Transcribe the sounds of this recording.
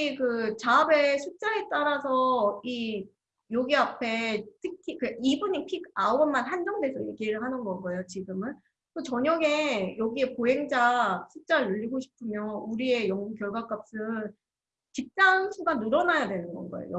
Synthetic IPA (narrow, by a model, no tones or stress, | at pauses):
kɯt͡ɕabe̞sʰuk̚t͡ɕ͈aet͈aɾasʰʌi | joɡiapʰe̞tʰɯkʰikɯibuɲipʰiɡaoɡʌnmanhand͡ʑʌŋdwe̞sʰʌje̞ɡiɾɯɭhanɯnɡʌnɡʌejot͡ɕiɡɯmɯn | kɯt͡ɕʌɲʌɡe̞jʌɡie̞poɦe̞ŋd͡ʑasʰuk̚t͡ɕ͈aɾɯɭːuʎːiɡoɕʰi̥pʰɯmjʌnuɾie̞jʌŋukjʌɭɡwak͈ap̚s͈ɯ | t͡ɕip̚t͡ɕ͈aŋɕʰiɡannuɾʌnajadwe̞nɯnɡʌ̰nɡʌḛjo̰